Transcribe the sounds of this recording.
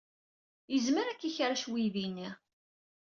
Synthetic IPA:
jəzməɾækːiçɾaʃwiðinːi

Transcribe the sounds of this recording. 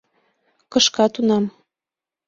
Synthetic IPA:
kɤ̆ʃkɑt̪unɑm

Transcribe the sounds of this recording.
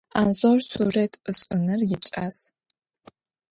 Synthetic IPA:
a̰nzorsuːretʰɨɕʼɨnɨrjɪt͡ʃʼas

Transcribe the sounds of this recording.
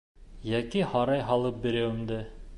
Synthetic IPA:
jækihɑɾɑjɦɑlˠɤp̚bĭɾæwɘ̆md̪ɘ

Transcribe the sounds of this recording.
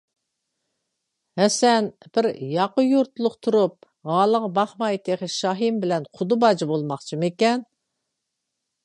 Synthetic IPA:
hɛsɛnb̥ɪɾjɑqəjuɾt̪lˠʊqt̪ʰuɾup̚ | ʁɑlˠəʁbɑχmɑjt̪ʰeχɨʃɑɦimbɪlɛnqʰʊd̪ubɑd͡ʒibolˠmɑχt͡ʃʰɨmekʲɛn

